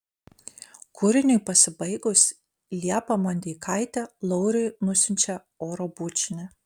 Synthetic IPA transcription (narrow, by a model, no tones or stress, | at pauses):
kʰʊɾʲɪnʲʊjpɐsʲɪbɐɪɡʊs | lʲiɛpɐmɐnʲd̪ʲiːkʰɐˑɪt̪ʲɛlˠɔʊɾʲʊɪnʊsʲɪnʲt͡ʃʲɛ | oːɾobʊt͡ʃʲɪnʲɛ